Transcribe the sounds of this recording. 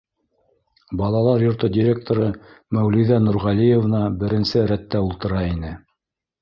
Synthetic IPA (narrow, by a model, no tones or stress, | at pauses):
bɑlˠɑlˠɑɾjŏɾt̪ɤdʲiɾʲe̞k̚t̪oɾɤmæwliðænuɾʁɑlijevnɑbɘ̆ɾɘ̆nsɘɾæt̪ːæulˠt̪ɤ̆ɾɑinɘ